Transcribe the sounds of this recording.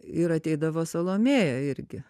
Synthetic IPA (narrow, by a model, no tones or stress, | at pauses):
ɪɾɐt̪ʲɛɪd̪ɐʋoːsɐlˠoːmʲeːjɛɪɾʲɡʲɪ